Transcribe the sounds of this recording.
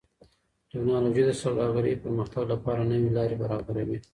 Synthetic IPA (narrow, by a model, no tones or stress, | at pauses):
ʈɪknɑloʒid̪əsaɾd̪ɑɣaɾipəɾməxt̪aɡlapɑɾanəwilɑɾebaɾɑbaɾawi